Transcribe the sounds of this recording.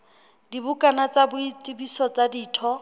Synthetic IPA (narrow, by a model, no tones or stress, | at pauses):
dibʊkʼanat͡sʼabʊitʼɪbisɔt͡sʼadiːtʰɔ